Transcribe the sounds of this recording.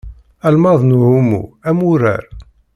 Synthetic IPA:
ælmɑðˤnhumṵæmuɾæ̰ɾ

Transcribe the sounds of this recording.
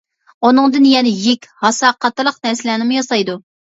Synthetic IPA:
unɨŋd̪ɨnjɛnɛjikʲhɑsɑːqɑt̪ːɨlˠəqnɛɾslɛnɪmujɑsɑjd̪u

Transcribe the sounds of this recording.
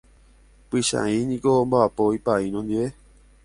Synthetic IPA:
pɨʃã̰ĩɲĩkombaapoipaĩnõnd̪iʋe

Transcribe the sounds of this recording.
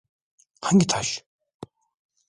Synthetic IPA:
qʰaŋɡʲit̪ʰaʃ

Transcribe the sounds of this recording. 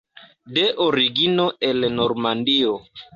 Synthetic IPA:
deʔoɾiɡinoelnoɾmandio

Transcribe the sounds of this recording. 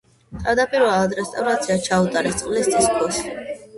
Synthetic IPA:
t̪ʰʼad̪apʼiɾvɛlˠad̪ɾɛst̪ʼavɾat̪sʰiat͡ʃʰaut̪ʼaɾɛt̪sʼqʼlist̪sʼiskʰɔs

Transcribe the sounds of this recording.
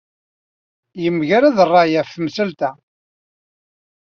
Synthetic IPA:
jəmːəʝaɾaðərˤːɑjæfːmsəlt̪æ

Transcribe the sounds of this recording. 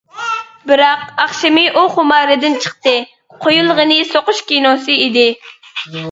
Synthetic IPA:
bɪɾɑqɑχʃɪmɨʔuχʊmɑɾɨd̪ɪnt͡ʃʰə̥χt̪ɨ | qʰojulˠʁənɨsoqʊʃkʲinosɨid̪ɪ

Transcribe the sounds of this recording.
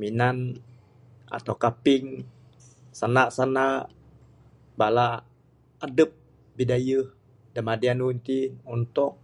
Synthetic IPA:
minan | a̰t̪awkapɪŋ | sanaʔsanaʔʔ | balaː | dəp̚ | bidajəh | damadianunt̪inunt̪ʊk̚

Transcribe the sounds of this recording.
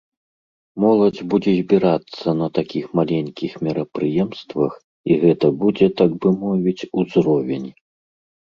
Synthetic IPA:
mɔlˠɐd͡zʲbud͡zʲɛzʲbʲiɾat̪sːɐnɐt̪akʲixmalʲɛnʲkʲixmʲiɾɐpɾɨjɛmst̪vɐx | iɣɛt̪ɐbud͡zʲɛt̪aɡbɨmɔvʲit͡sʲuzɾɔvʲɛnʲ

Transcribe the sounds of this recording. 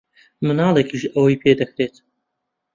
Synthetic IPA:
mɨnɑːlˠekiʃɐwɐjpʰeːd̪ɐkɾeːt̪

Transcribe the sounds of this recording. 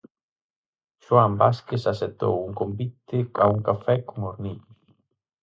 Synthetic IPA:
ʃwambaskesaset̪o̰wuŋkombit̪ɪauŋkafɛkoŋoɾniʎʊ

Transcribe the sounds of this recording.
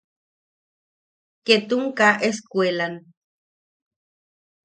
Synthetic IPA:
ket̪uŋkaʔeskwelan

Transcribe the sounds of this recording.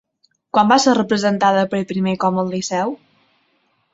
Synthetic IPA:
kwambaserəpɾəzənt̪aðəpəɾepɾimekɔməlˠlisɛw

